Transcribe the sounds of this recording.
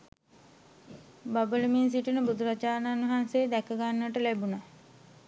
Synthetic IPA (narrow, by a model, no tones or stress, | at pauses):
babələmins̬iʈunəbud̪uɾat͡ʃaːnaːnuɦanseːd̪ɛkəɡanːəʋəʈəlæbuna